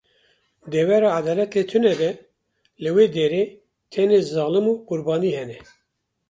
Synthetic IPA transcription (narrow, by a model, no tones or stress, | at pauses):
d̪ɛwɛɾɑːad̪ɑːlɛt̪et̪ʰɨnɛd̪ɛ | lɨweːd̪eːɾeː | t̪ʰɛneːzɑːlɨmuːqʊɾbɑːniːhɛnɛ